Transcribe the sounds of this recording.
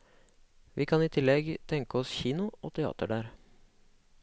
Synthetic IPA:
ʋiːkʰɑniːt̪ʰɪlːɛɡt̪ʰɛŋkəɔsçiːnʊo̰ːt̪ʰɛɑ̰ːt̪əɖæːɾ

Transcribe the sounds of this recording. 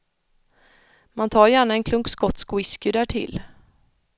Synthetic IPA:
mant̪ʰɑːɾjæːɳaɛnkʰlɵŋkskɔt̪ːskwɪskʏd̪æːʈʰɪ̰l

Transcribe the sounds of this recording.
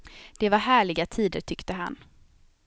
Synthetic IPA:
d̪̥ɛvaɾɦæːɭɪɡat̪ʰiːd̪əɾʈʰʏkt̪əɦa̰n

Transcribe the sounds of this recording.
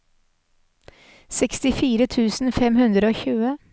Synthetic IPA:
sɛkst̪ɪfiːɾət̪ʰʉːsn̩fɛmhʉnd̪ɾəoːçʉːə

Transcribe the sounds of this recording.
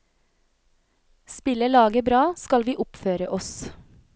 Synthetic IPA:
spɪləlɑːɡəbɾɑːskɑlʋiːʔʊpføːɾəʔɔs

